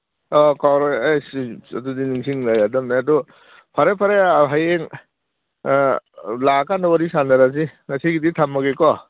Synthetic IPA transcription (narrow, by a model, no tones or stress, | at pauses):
ɔkawɾajsadudiniŋsiŋlajadɐmnaadɔ | pʰaɾepʰaɾeɦajeŋ | lakanɔwaɾisandaɾazinasiɡiditʰamːaɡekɔ